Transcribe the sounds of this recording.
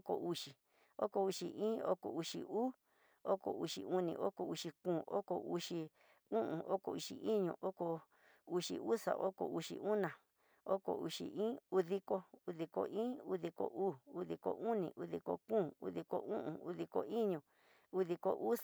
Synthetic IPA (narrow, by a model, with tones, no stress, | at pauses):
o˦ko̰˨ʔu˧ʂi˨ | o˦ko˨u˧ʂi˨˧ʔĩː˦o˦ko˨u˧ʂḭ˨uː˦ | o˦ko˨u˧ʂḭ˨u˦nĩ˧˨ʔo˦ko˨u˧ʂi˧kũː˧˨o˦ko˨u˧ʂi˧ | ũ˦ʔũ˨ʔo˦ko˧˨u˧ʂi˨ʔi˦ɲũ˧˨ʔo˦ko˧ | u˧ʂḭ˧u˦sa̰˨ʔo˦ko˧˨u˧ʂḭ˨ʔu˦nã˨ | o˦ko̰˧˨u˧ʂḭ˧ʔĩː˦u˧ði˧ko˧u˧ði˧ko̰˧˨ĩː˦u˦ði˧ko̰˨ʔuː˦˨u˧ði˧ko̰˧ʔu˦nĩ˨ʔu˧ði˧ko̰˧kũː˦˨ṵ˧ði˧ko̰˧ũ˦ʔṵ̃˨u˧ði˧ko˧i˦ɲũ˨ | u˧ði˧ko̰˧ʔu˦